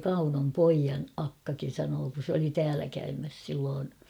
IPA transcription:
kɑunom poijɑn ɑkːɑkin̞ sɑnoː kun̞ s oli tæːlæ kæymæs silːoːn

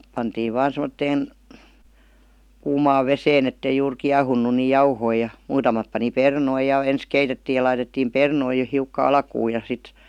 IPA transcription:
pɑntiːʋ ʋɑːn semə̆tːeːn kuːmɑːʋ ʋeseːn etːei juːr kiɑhunːu ni jɑuhoi jɑ muːtɑmɑt pɑni pernoi jɑ ens keitetːiː jɑ lɑitetːiːm pernoi jo hiukːɑ ɑlkuː jɑ sit

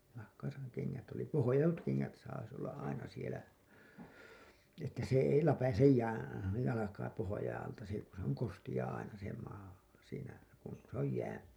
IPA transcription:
nɑhkɑː sɑ ne keŋːæt oli pohojɑtut keŋːæt sɑis olːɑʔ ʔɑinɑ sielæ etːæ se ei læpæsej jæː jɑlɑkɑː pohojɑĩː ɑltɑ si ku se oŋ kostij̆ɑː ɑinɑ se mɑː siːnæ kun se oj jæː

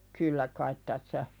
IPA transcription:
kylːæ kɑit tæsːæ

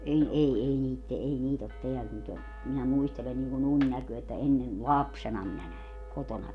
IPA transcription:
en ei ei niːt te ei niːt ot teæl nyt o minæ muistelen niŋkun unʲnækøː etːæ enːen lɑpsenɑ minæ næe kotonɑ

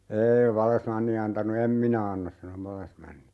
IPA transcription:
eːi ʋɑlːesmɑnːi ɑntɑnu em minæ ɑnːɑs sɑno ʋɑlːesmɑnːi

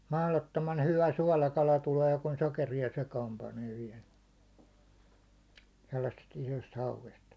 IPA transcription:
mɑhlotːomɑn hyʋæ suɒlɑkɑlɑ tuleː kun sokeriɑ sekɑːm pɑneː ʋiɛl selːɑsːest isost hɑuʋest

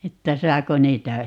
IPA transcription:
etːæ sɑːko niːtæ

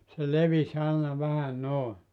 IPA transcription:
se leʋis ɑˑenɑ ʋæhæ noˑe

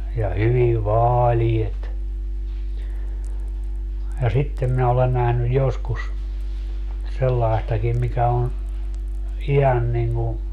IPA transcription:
jɑ hyʋi ʋɑːliet jɑ sitːem minæ olen næhnyj joskus selːɑi̯stɑkim mikæ on̞ ihɑn niŋːu

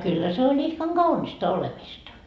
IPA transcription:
kylːæ se olʲ ihkɑŋ ɡ̊ɑunistɑ olemistɑ

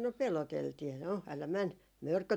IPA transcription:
no peloteltiː no ælæ mæn mørkø

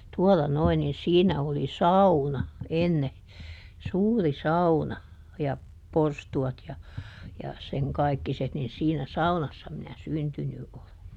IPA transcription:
tuɔlɑ noin nin siːnæ oli sɑunɑ enːe suːri sɑunɑ jɑ porstuɑt jɑ jɑ seŋ kɑikːiset nin siːnæ sɑunɑsːɑ minæ syntyny ʔole

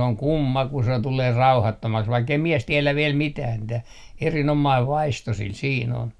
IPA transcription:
oŋ kumːɑ ku se tuleː rɑuhɑtːomɑks ʋɑikːei mies tiɛlæ ʋiɛl mitæː mĭtæ erinomɑiʋ ʋɑisto sil siːn on

